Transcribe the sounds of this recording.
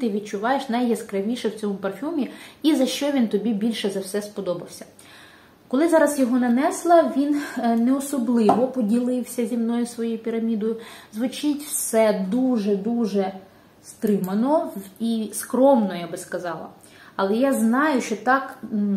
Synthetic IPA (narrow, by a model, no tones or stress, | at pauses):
t̪ɪʋʲid̪̚t͡ʃʊʋɑjeʃnɐjːɐskɾɐʋʲiʃɛwt͡sʲɔmʊpɐrfʲumʲiizɐʃt͡ʃɔʋʲint̪ɔbʲibʲilʲʃɛzɐwsɛspɔd̪ɔbɐwsʲɐ̥ | kɔlˠɪzɑɾɐzjɔɦɔnɐnɛslˠɐʋʲinnɛɔsɔblˠɪʋɔpɔdʲilˠɪwsʲɐzʲimnɔjʊsʋɔjujpʲiɾɐmʲid̪ɔjʊzʋʊt͡ʃɪtʲwsɛd̪uʒɛd̪uʒɛ | st̪ɾɪmɐnɔiskɾɔmnɔjabɪskɐzɑlˠɐ̰ | ɐlˠɛjaznɑjʊʃt͡ʃɔt̪ɑk